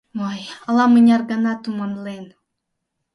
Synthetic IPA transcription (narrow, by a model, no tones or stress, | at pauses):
ojɑlˠɑmɨnʲɑrɡɑnɑt̪umɑnlˠen